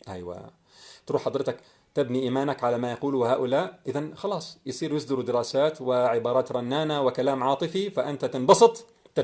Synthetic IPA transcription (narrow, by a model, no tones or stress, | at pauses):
ʔa̰jwa̰ | t̪ɾuːħɑd̪ˤɾɪt̪ak | t̪ɪbniʔiːmaːnakʕalamajɑquːlʊwhaːʔʊlaːʔʔɪðanxɑlɑːsˤjɪsˤiːɾjɪsd̪ɪɾud̪ɪɾɑːsaːt̪wɪʕɪbɑːɾˤɑːt̪ɾˤɑnːaːnawɪkalaːmʕɑːt̪ˤɨfifaʔɪnt̪at̪ɪnbɑsˤɨt̪ˤ | t̪